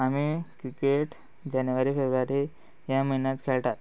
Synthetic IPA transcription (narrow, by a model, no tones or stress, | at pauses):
amikɾikeʈ | d͡ʑanjuʋaɾiːfebɾʋaɾi | jaməɦinjat̪kʰeɭʈ̪at̪̚